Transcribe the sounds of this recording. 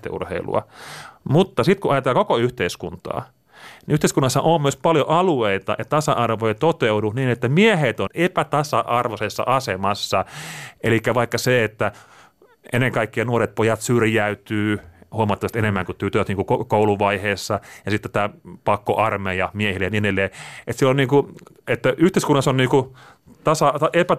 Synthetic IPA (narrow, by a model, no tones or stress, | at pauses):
t̪ḛʔṵrhḛilṵɑ̰mut̪ːɑsit̪kuʔɑjɑt̪elːkokoyht̪eiskunt̪ɑ̰ː | niʔyht̪eˑiskunːɑsːɑʔommyøspɑljoʔɑlueit̪ɑ̰ʔɑtt̪ɑsɑʔɑrʋojt̪ot̪euduniːnet̪ːæmiæhet̪onepæt̪ɑsɑʔɑrʋosesːɑ̰ʔɑsemɑsːɑʔelikːæʋɑikːɑseet̪ːæ | enːeŋkɑikːiɑnuoret̪̚pojɑt̪syrjæyt̪yːhuɑmɑt̪ːɑʋɑst̪enemːæŋkut̪ːyøt̪øɑt̪niːŋkukokouluʋɑiheːsːɑjɑsit̪ːæt̪æːpɑkːo̰ʔɑrmejɑmiehilejninelːeːet̪sielːonniːŋku | et̪ːæʔyht̪eˑiskunːɑsonniːku | t̪ɑsɑepæ